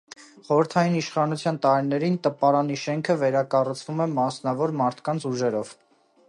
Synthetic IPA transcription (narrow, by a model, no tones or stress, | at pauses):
χɔɾəɾt̪ʰɑjiniʃχɑnut͡sʰjɑnt̪ɑɾinɛɾint̪əpɑɾɑniʃɛŋkʰəvɛɾɑkɑrut͡sʰvumɛmɑsnɑvɔɾmɑɾt̪ʰkɑnt͡sʰuʒɛɾɔv̥